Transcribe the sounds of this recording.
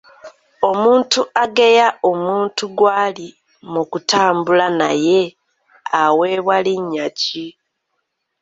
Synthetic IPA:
o̞muːntuaɡe̞jao̞muːntuɡwaːli | mukutaːmbulanaje̞ | awe̞βwaliɲːaci

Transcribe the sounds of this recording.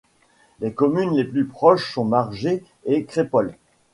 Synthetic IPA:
lekɔmynleplypχɔʃsɔ̃maʁʒeː | kχepɔl

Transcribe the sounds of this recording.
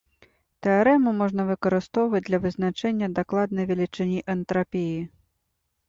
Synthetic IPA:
t̪ɛaɾɛmumɔʐnɐvɨkɐɾɨst̪ɔwvɐd͡zʲd̪lʲɐvɨznat͡ʂɛnʲːɐd̪aklˠad̪̚nɐjvʲɛlʲit͡ʂɨnʲiʔɛnt̪ɾapʲiji

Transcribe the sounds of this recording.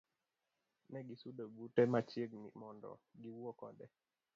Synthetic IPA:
nɛɡisudobutɛmat͡ʃjeɡmḭmɔndɔ̰ɡiwuɔkɔdɛ

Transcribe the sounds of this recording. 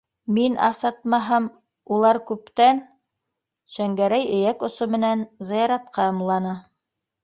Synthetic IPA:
minʔɑ̰sɑt̪̚mɑɦɑm | ulˠɑɾkʉpt̪æn | ʃæŋɡæɾæjɘ̆jækŏsomɘ̆nænzɤ̆jɑɾɑt̪̚qɑɤ̆mlˠɑnɑ

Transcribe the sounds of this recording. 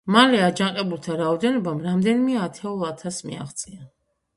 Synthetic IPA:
malɛad͡ʒaŋqʼɛbulˠt̪ʰaɾaɔd̪ɛnɔbamɾamd̪ɛnimɛat̪ʰɛulˠat̪ʰasmḭa̰χt̪sʼia

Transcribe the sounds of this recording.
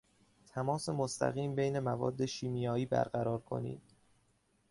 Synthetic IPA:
t̪ʰæmɒːse̞most̪ʰæ̰ɣiːmbe̞jne̞mævɒ̰ːd̪ːe̞ʃiːmijɒːiːbæ̰ɾɢæɾɒːɾkʰo̞̰nḭːd̪̥

